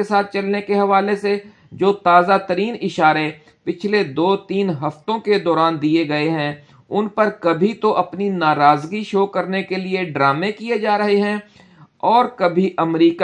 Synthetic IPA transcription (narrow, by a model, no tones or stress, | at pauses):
esaːt̪̚ʰt͡ʃɐlnekeɦɐʋaːlese | d͡ʒoːt̪aːzat̪əɾiːnɪʃaːɾe | pɪt͡ʃʰled̪oːt̪iːnɦɐft̪õked̪ɔːɾaːnd̪ieɡɐeɦɛ̃ | ʊnpɐɾkɐbʱit̪oʔɐpninaːɾaːzɡiʃoːkɐɾnekelieɖɾaːmẽkied͡ʒaːɾɐɦeɦɛ̃ | ɔːɾkɐbʱiʔɐmɾiːk